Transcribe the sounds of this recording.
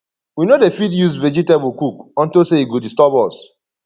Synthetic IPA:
winodefidjuzvɛd͡ʒitebukukɔ̃ntoseiɡodistɔpɔs

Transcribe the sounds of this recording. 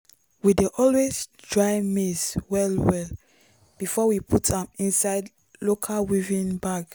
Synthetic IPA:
wideʔɔlwezdɹaɪmeswɛlwɛl | b̥ifɔwipʰutʰãmĩnsaɪd | lokʰalwivĩnbaɡ

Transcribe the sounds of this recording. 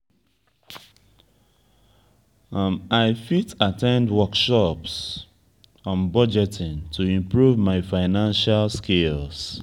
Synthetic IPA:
maɪfitatʰɛ̃ndwɔkʃɔps | ɔ̃nbɔd͡ʒɛtɪ̃ntʰuĩmpɹuvmaɪfaɪnãnʃalskels

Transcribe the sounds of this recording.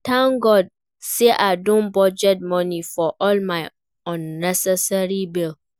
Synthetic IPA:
tʰãnɡɔd̚ | seʔadõnbɔd͡ʒɛt̚mɔ̃nĩfɔʔɔlmãɪ | ɔ̃nːɛsɛsaɹibɪl

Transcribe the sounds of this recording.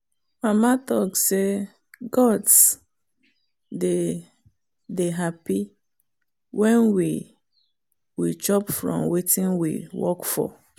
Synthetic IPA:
mamatɔkse | ɡɔts | de | deɦapi | wɛ̃nwi | wit͡ʃɔpfɹɔ̰̃mwetĩnwḭwɔ̰kfɔ̰

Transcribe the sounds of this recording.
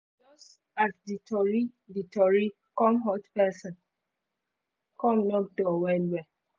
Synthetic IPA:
d͡ʒɔs | atditɔɹiditɔɹi | kɔ̃mɦɔtpɛsɔ̃n | kɔ̃mnɔkdɔwɛlwɛ

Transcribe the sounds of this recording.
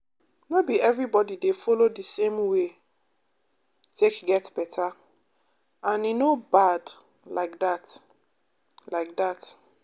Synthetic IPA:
nɔbiɛvɹibɔdidefɔlodisẽmwe | tʰekɡɛtbɛtʰa | ãninobad | laɪk̚dat | laɪk̚dat

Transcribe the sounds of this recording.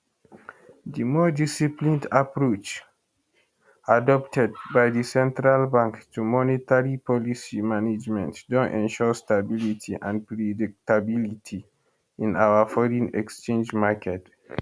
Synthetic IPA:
dimɔdisiplĩndapɹot͡ʃ | adɔp̚tʰɛd̚bajdisɛ̃ntɹalbãŋktumɔnitaɹipʰɔlisimaned͡ʒmɛ̰̃ntdõntɛ̰̃nʃɔstabilitʰiʔã̰npɹɛdik̚tabilitʰi | ĩnawafɔɹĩnɛ̰kst͡ʃẽnd͡ʒmakʰɛt

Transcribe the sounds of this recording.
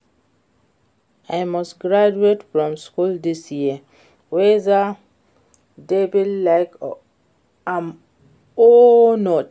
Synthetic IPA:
ajmɔsɡɹad͡ʒuetfɹɔ̃mskuldisjiə | wɛza | debillajk | am | onɔt

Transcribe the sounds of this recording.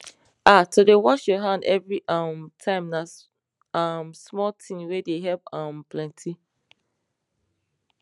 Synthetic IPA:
ʔatodewɔʃjɔɦãndɛvɹiʔamtʰãɪ̃mna | amsmɔltʰĩnwedeɦɛpãmpʰlɛ̃ntʰi

